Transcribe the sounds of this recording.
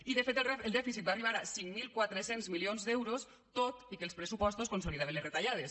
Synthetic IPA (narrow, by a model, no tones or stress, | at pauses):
iðəfet̪əlˠd̪ɛfisit̪̚baːriβ̞aɾasiŋmilˠkwat̪ɾəsenzmilionzd̪ɛwɾos | t̪ot̪ikəlˠspɾəsupɔst̪oskonsoliðaenləret̪aʎað̞es